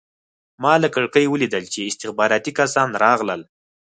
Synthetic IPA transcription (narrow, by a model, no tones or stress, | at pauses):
mɑləkəɽkəjwəlid̪əlt͡ʃeɪst̪ɪxbɑɾɑt̪ikasɑnɾɑɣləl